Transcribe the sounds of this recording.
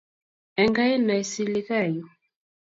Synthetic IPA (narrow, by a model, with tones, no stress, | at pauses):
ɛ˨ŋɡa˦ɛ˦na˨i˨si˨li˦ɣa˦˨jɔ˨